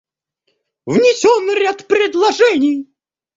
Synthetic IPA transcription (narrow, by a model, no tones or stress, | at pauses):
vnʲɪsʲonɾʲat̪pɾʲɪd̪lˠɐʐɛnʲɪj